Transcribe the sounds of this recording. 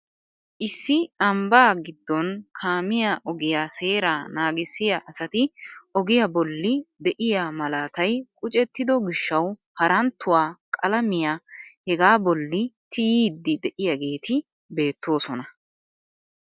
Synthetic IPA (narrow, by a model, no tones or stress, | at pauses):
ʔɪsːɪɐmbaːɡɪd̪ːɔnkʰaːmɪjaʔɔɡɪjaːse̞ːɾaːnaːɡɪsːɪjaʔɐsɐt̪ɪɔɡɪjabɔlːɪd̪ɛʔɪjaːmɐlaːt̪ɐjkʼʊt͡ʃʼɛt̪ːɪd̪ɔɡɪʃːɐwhɐɾɐnt̪ːʊwaːkʼɐlɐmɪjaːhɛɡaːbɔlːɪt̪ɪjiːd̪ːɪd̪ɛʔɪjɐɡe̞ːt̪ɪ | be̞ːt̪ːo̞ːsɔnɐ